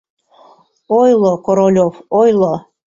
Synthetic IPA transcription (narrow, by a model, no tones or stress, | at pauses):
ojlˠokoɾolʲofojlo